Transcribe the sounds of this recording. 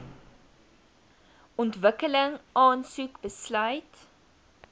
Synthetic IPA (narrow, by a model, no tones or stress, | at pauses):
ɔntvəkələŋʔɑːnsukbəslœɥt